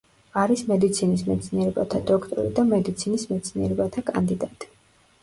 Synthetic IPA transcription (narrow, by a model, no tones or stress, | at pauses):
aɾismɛd̪it̪sʰinismɛt̪sʰniɛɾɛba̰t̪ʰad̪ɔkʰt̪ʼɔ̰ɾḭd̪amɛd̪it̪sʰinismɛt̪sʰniɛɾɛbat̪ʰakʼa̰nd̪id̪at̪ʼi̥